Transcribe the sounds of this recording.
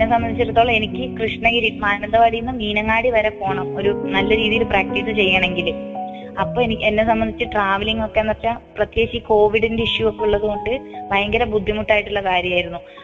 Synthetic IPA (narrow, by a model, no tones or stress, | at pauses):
enːesɐmbɐnd̪it͡ɕːiɾɐt̪ːoːɭɐe̞nikʲːɨkrɨʂɳɐɣiɾimaːnɐnd̪ɐʋɐɽijunːɐmiːnɐŋːaːɽiʋɐɾɐpo̞ːɳɐmo̞ɾunɐlːɐɾiːðijilpraːk̚ʈiːsɨt͡ɕe̞jːaːɳe̞ŋɡil | ɐpːo̞ːenikʲːenːe̞sɐmbɐnd̪ʱit͡ɕːɨʈraːʋɐliŋːo̞kːenːɐrt͡ɕːaprɐt̪je̞ːɕiko̞ːʋiɽinde̞iʂjuo̞kːe̞uɭːɐðɨko̞ɳɖɨbɐjɐŋɡɐɾɐbud̪ʱːimuʈːaːjiʈːuɭːɐkaːɾjɐmaːjiɾunːu